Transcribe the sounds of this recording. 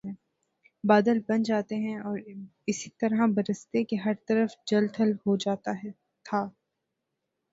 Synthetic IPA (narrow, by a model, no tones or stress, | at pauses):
ɛ̃ | baːd̪əlbɐ̃nd͡ʒaːt̪eɦɛ̃ɔːɾɪsi̥t̪ɐɾɦãbɐɾəst̪ekeɦɐɾt̪ɐɾəfd͡ʒɐlt̪ʰəlɦod͡ʒaːt̪aɦɛ | t̪ʰaː